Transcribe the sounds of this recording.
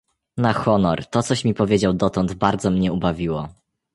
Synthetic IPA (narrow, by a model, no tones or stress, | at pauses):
naxɔnɔɾt̪ɔt̪sɔɕmʲipɔvʲjed͡ʑawd̪ɔt̪ɔnd̪baɾd̪zɔmɲɛubavʲiwɔ